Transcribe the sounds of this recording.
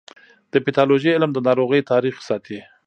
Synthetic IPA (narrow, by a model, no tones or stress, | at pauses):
d̪̥əpɪt̪ɑloʒəɪlmd̪ənɑɾoɣəjt̪ɑɾixsɑt̪ʰi